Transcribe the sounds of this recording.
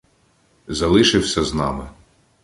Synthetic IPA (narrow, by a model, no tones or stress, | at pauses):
zɐlˠɪʃɪwsʲɐznɑmɪ